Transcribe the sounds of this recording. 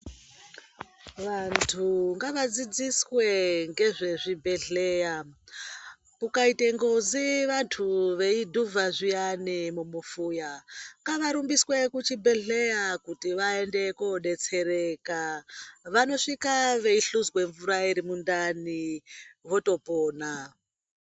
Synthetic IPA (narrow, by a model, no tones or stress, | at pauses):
ʋantʰuŋɡaʋad͡zid͡ziswe̞ŋɡe̞ʐe̞ʐibʱe̞ɮe̞ja | kukaite̞ŋɡoziʋantʰuʋe̞idʱuvʱaʐijanimumufuːjaŋɡaʋaɾumbiswe̞kut͡ʃibʱe̞ɮe̞jakutiʋae̞nde̞koɗe̞t͡se̞ɾekaʋano̞ʂikaʋe̞iɬuzwe̞ɱvuɾaiɾimundaniʋo̞to̞poːna